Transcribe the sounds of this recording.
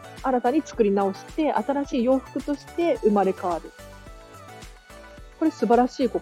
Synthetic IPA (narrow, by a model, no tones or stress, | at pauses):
aɾat̪aɲ̟it͡sɨ̥kɯ̟ɾʲinao̞ɕi̥t̪e̞ʔat̪aɾaɕiːjo̞ːɸɯ̟̥kɯ̟t̪o̞ɕi̥t̪e̞ʔɯ̟maɾe̞kaaɾɯ̟ | ko̞ɾe̞sɨbaɾaɕiːko̞